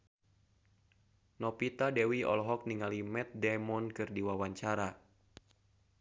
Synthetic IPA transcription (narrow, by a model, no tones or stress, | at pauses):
nɔpit̪adɛwiɔ̰lɔɦɔk̚niŋalimɛt̪̚dɛmɔnkɨrdiwawaɲt͡ʃaɾa